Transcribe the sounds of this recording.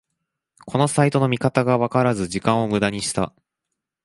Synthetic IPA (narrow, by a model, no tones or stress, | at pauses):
ko̞no̞sait̪o̞no̞mʲikat̪aɡaβakaɾazɨʑikãɰ̃o̞mɯ̟d̪aɲ̟iɕi̥t̪a̰